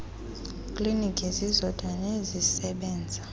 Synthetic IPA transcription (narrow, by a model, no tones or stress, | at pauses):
kʼlinikʰʼizizɔd̥ʱanezisɛɓɛːnd͡zʱa